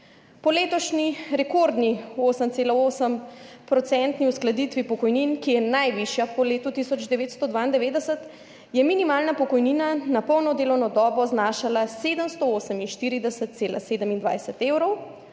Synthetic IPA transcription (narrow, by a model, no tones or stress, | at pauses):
pɔleːt̪ɔʃniɾɛkoɾd̪nioːsəmtseːlaoːsəmpɾɔt̪sɛnt̪niusklad̪it̪ʋipɔkɔjninkijɛnajʋiʃjapɔleːt̪ut̪isɔd͡ʒd̪ɛʋeːt̪st̪od̪ʋaːind̪ɛʋeːd̪ɛsət̪ | jɛminimaːlnapɔkɔjniːnanapəwnɔd̪eːlɔwnɔd̪ɔːbɔznaːʃalaseːd̪əmst̪ooːsəminʃt̪iːɾid̪ɛsət̪̚t̪seːla̰seːd̪əmind̪ʋa̰jsət̪eːwɾɔw